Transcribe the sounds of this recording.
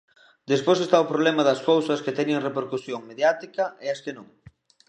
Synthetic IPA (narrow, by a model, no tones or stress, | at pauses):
d̪espojsest̪aʊpɾoβlɛmɐðɐskowsɐsket̪ɛɲeŋrepeɾkusjoŋmeðjat̪ikɐeɐskenõŋ